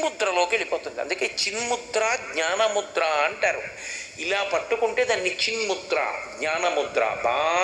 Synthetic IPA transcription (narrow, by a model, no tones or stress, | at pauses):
mut̪ɾɐlo̞ːkieɭipoːt̪und̪iɐ̰nd̪uke̞ːt͡ʃinmut̪ɾaːɡɲaːnɐmud̪ɾaɐɳʈaːɾu | ilaːpɐʈːukuɳʈe̞ːd̪aːnːit͡ʃinmut̪ɾa̰ɡɲaːnɐmud̪ɾɐ̰bʱaː